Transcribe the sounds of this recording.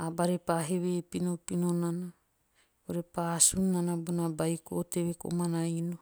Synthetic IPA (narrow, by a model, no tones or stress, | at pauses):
abaɾepaɦeβepinopinonana | oɾepasunanabunabajkooteβeko̰manaino